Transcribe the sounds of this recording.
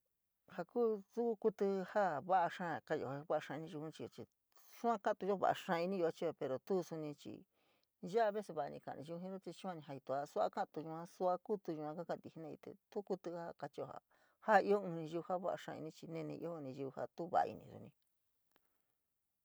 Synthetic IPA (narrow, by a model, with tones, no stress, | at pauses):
ha˧kuː˦su˦ku˦ku˦t̪ɨ˧ha˦βa˦ʔa˧ʂã˦˨ka˧jo̰˧˨a˧˦βa˦a˧ʂã˧ĩ˧nĩ˧ʒu˧ũ˧t͡ʃi˧o˧t͡ʃi˧ | su˦ã˦ka˦˧t̪u˧o˦βa̰˧ʔa̰˧ʂã˧i˧nĩ˦˧u˧a˦˧t͡ʃi˦e˧pe˧ɾo˨t̪u˦˧su˧nĩ˧t͡ʃḭ˨˧ | ʒa˦a˧βe˦se˧βa˧ʔa˧nĩ˧kã̰˧˨nĩ˧u˧ɦĩ˦ɾo˦t͡ʃ̪i˧t͡ʃi˦ã˦˧nĩ˧ɦa˧i˧t̪u˧˨a˧su˦a̰˦kã˦ʔt̪u˧ʒu˧ã˦su˦a˧ku˦t̪u˧ʒu˧ã˧ka˦kã˧˨t̪i˧hi˧nẽ˦˧ḭ˧t̪ḛ˧˨t̪u˦ku˧t̪ɨ˧˦a˦ka˧t͡ʃi˧o˧ha̰˨ | ha˦i˧˦o˦ũ˧nĩ˧ʒu˧ha˦βa˦ʔa̰˧ʂã˧ḭ˧nĩ˦t͡ʃi˧nẽ˦˧nḭ̃˧ʔḭ˧˦o˦˧nĩ˧ʒu˧u˧ha̰˧t̪u˦βa̰˧˨a̰˧ḭ˧nĩ˧ɾṵ˧nĩ˧